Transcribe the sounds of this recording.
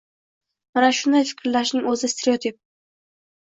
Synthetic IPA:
manaʃʊnd̪ajfɪ̥kʲʰɾlaʃnɪŋɵzɪst̪ʰeɾeot̪ʰip̚

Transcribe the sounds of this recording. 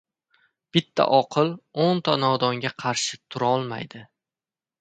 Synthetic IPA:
b̥ɪt̪ʰːa̰ʔɒqʰɨlˠont̪ʰanɒd̪ɒŋɡʲaqʰɑɾʃɪt̪ʰʊɾaɒlˠma̰jd̪ɪ

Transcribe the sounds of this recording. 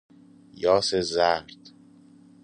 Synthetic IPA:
jɒːsezæɾd̪̥

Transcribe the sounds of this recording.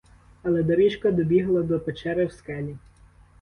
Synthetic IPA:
ɐlˠɛd̪ɔɾit͡ʃkɐd̪ɔbʲiɦlˠɐd̪ɔpet͡ʃɛɾɛwskɛlʲi

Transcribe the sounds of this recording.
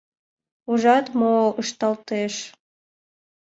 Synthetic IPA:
uʒɑt̪moəʃt̪ɑlt̪eʃ

